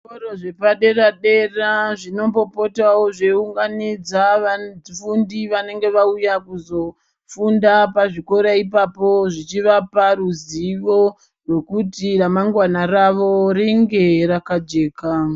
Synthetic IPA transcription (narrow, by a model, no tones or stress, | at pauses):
koɾoʐe̞paɗe̞raɗe̞raʐino̞mbo̞po̞tawoʐeuŋɡanid͡zaʋafundiʋane̞ŋɡe̞ʋaujakuzo̞ | fundapaʐiko̞ɾaipapo̞ʐit͡ʃiʋapaɾuziʋo̞ | rwe̞kutiramaŋɡwanaraʋo̞ɾiŋɡe̞ɾakad͡ʒe̞ːka